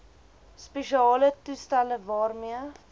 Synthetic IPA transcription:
speʃiɑːlətustæləvɑːrmiə

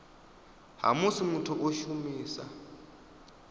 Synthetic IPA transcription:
ɦa̰musimutʰɔʔoʃumiːsa̰

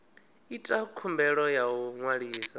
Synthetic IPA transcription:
itʼakʰumbɛɺɔjawuŋwaɺiːsa

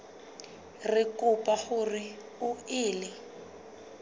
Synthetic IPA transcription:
rɪkʼʊpʼahʊrɪ | ʊɪːlɪ

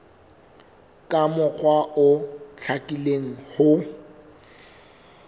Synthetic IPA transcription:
kʼamʊk͡xʰwaʔʊɬʰakʼileŋ̩hʊ

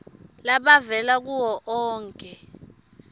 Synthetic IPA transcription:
laɓavɛlak̬uwɔʔɔːŋkʼɛ

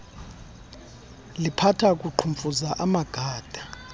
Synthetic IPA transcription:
lipʰatʰakʼuǃʰuɱfʼuzaʔamaɡ̥ʱaːd̥ʱa

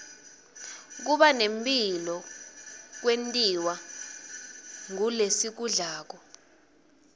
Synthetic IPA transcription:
k̬uɓanempʼilɔ | k̬wentʼiwa | ŋulesik̬uɮaːk̬ɔ

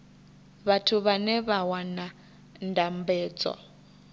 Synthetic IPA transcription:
βatʰuβanɛβawana | ndambɛːd͡zɔ̰

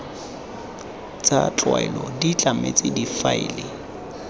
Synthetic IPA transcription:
t͡sʼat͡ɬʼwaɛlɔdit͡ɬʼamet͡sʼɪdifaɪlɪ

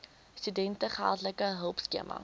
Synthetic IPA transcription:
stydɛntəχəæ̰lˠtləkəɦəlˠpskiəmʔɐ̰

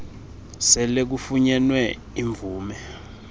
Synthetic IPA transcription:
sɛlek̬ufuɲɛnwɛ | iɱb̪vuːmɛ

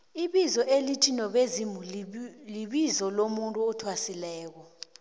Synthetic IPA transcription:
iɓizɔʔelitʰinɔɓezimuliɓizɔlomuntʼuɔtʰwasilɛːk̬ɔ

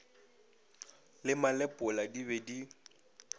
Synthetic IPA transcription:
lɪmalɛpʼʊladiβɛdi

